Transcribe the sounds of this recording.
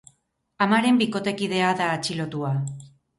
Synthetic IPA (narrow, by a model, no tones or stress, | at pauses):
amaɾe̞mbiko̞t̪e̞kiðe̞aðaːt͡ʃilo̞t̪ua